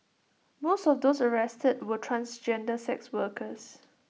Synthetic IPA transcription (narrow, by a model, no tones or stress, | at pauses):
mostɔfdoːsəɹɛstəd̚wətʰɹãnsd͡ʒɛ̃ndəsɛkswəkəs